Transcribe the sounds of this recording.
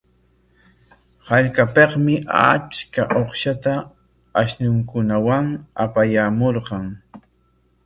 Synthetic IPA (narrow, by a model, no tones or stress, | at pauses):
haʎkapeqmɪʔat͡ʃkaʔoχʃat̪a | aʃnʊŋkʊnawaŋa̰pajaːmoɾqɑŋ